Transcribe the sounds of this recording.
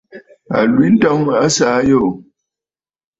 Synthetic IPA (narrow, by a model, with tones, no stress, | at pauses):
a̰˨lwi˨˦n̩˦tɔ˦ŋa˦sa˨˦jo˦˨ʔ